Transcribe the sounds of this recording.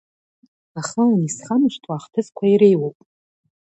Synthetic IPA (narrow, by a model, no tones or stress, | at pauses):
aχəlanisχamʃʷtʰʼwaːχtʰɨzkʷʰaiɾejwowpʼ